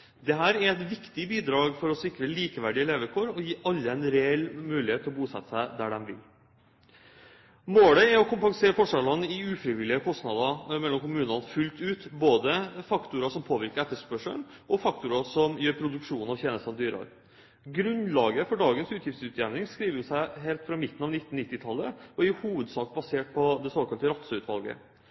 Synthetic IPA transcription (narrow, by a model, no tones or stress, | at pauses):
d̪ɛɦæːɾæɾɛt̪ʋɪkt̪ɪbiːd̪ɾɑːɡfɔɾɔsɪkɾəliːkəʋæɖɪəleːʋəkʰoːɾɔjiːʔɑlːəɛnɾeɛlmʉːlɪheːt̪ʰːɪɔbuːsɛ̰t̪ːəsæɪd̪æɖɛmʋɪ̰l | moːləɪɾɔkʰʊmpɑŋseːɾəfɔʂɛlɑnəɪʉːfɾɪʋɪlɪəkʰɔst̪nɑd̪ɑmɛlːɔmkʊmʉːnɑnfʉlt̪ʉːt̪boːd̪əfɑkt̪ʊɾɑʂɔmpʰoːʋɪɾkəɾɛt̪ːəʂpœʂəɳʔɔfɑkt̪ʊɾɑʂɔmjøːɾpʰɾʊd̪ʉkʂuːnɑʋçeːnəst̪ɑnəd̪yːɾɑ̰ɾ | ɡɾʉnlɑːɡəfɔɖɑːɡənsʉːt̪jɪft̪sʉt̪jæʋnɪŋskɾiːʋəʊsæɪɦeːlt̪fɾɑmɪt̪ːn̩ɑːʋnɪt̪ːn̩nɪt̪ːɪt̪ʰɑlːəɔɪhuːʋəd̪sɑːk̚bɑseːʈ̚pʰɔd̪ɛsoːkʰɑlt̪əɾɑt̪səʉt̪ʰʋɑlɡə̰